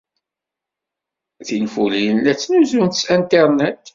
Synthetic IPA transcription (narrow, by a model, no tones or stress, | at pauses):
θinfulilæt͡sːnuzunt̪sænt̪iɾˤnæt̪